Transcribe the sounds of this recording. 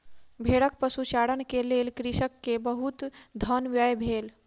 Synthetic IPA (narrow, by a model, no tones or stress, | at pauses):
bʱeːɽək̚pəsuʃaːɽənkeleːlkɾiʃəkːebəɦut̪d̪ʱənʋjəjbʱeːl